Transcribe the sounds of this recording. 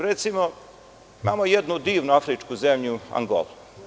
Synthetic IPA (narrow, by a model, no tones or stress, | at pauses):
ɾet̪simo | imaːmojed̪nud̪iːʋnuafɾit͡ʃkuzemʎua̰ŋɡo̰lˠu